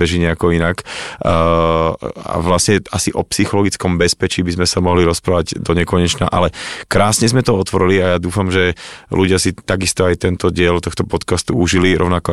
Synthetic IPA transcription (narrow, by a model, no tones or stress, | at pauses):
pɛʒiɲɛakɔinakː | a̰ʋlasɲɛasiʔɔpsixɔlɔɡit͡skɔmbɛspɛt͡ʃiːbizmɛsamɔɦliɾɔspɾaːʋaɟd̪ɔɲɛkɔɲɛt͡ʃna̰ʔa̰lɛkɾaːsɲɛzmɛt̪ɔɔt̪ʋɔɾiliajaːd̪uːfamʒɛluɟɪasit̪aɡist̪ɔajt̪ɛnt̪ɔɟɪɛlt̪ɔxt̪ɔpɔt̪kast̪uuʒiliɾɔʊnakɔ